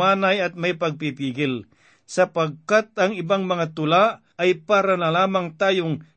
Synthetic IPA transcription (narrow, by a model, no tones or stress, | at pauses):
aːnajɐt̪̚majpaɡ̚pipiːɡɪl | sɐpaɡ̚kat̪̚ɐŋɪbaŋmɐŋat̪ʊlaʔ | ajpaːɾanɐlaːmaŋt̪aːjʊŋ